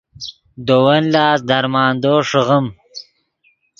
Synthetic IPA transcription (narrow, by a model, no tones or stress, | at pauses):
d̪owɐnlɑːsd̪aɾmɑːnd̪oːʂəɣəm